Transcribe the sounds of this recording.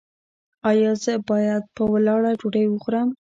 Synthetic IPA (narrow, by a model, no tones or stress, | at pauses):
ɑjɑzəbɑjad̪̚pəwalɑɽad͡ʒoɽəjwəxuɾəm